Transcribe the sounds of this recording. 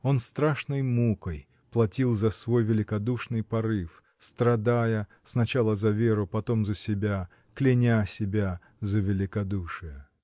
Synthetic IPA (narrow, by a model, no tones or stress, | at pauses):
o̞nst̪ɾaʂnəjmukəj | plˠɐtʲilˠzɐsvo̞jvʲɪlʲɪkɐd̪uʂnɨjpɐɾɨf | st̪ɾɐd̪ajə | snɐt͡ɕalˠəzɐvʲeɾʊpɐt̪o̞mzəsʲɪbʲa | klʲɪnʲasʲɪbʲa | zəvʲɪlʲɪkɐd̪uʂɨjə